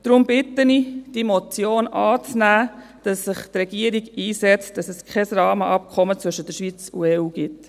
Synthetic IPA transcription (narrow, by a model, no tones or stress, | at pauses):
d̥ɾʊmbɪtənid̥imɔt͡sjoːnʔɑːt͡snæː | d̥ɑsːɪχtrɛɡ̥iəɾiɡiːsɛt͡std̥ɑsɛskʰɛsrɑːməʔɑp̚kʰɔmət͡sʋɵʃəd̥əʃʋiːt͡sṵɛːuːɡɪt